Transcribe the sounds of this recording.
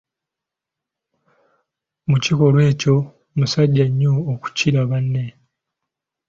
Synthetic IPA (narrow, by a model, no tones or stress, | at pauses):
muciko̞lwe̞ːco̞ | musaɟːaɲːoːku̥ciɾaβanːe